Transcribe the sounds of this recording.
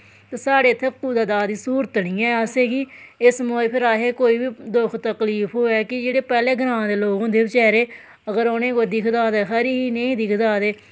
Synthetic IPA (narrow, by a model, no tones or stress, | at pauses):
t̪eːsaːɽeːt̪ʰːekːuːd̪aːd̪aːd̪iːsuːɾət̪nĩːɛːəseːɡiːɪsmoːepʰɪɾaːɦeːkoːiːbiːd̪ʊkʰt̪əkliːpʰɦoːɛːkɪd͡ʒeːɽeːpɛːleːɡəɾãːd̪eːloːɡõːd̪eːbit͡ʃɛːɾeː | əɡəɾoːnẽːkoːid̪ɪkʰd̪aːd̪eːɦəɾiːɦiːnə̃ĩːd̪ɪkʰd̪aːd̪eː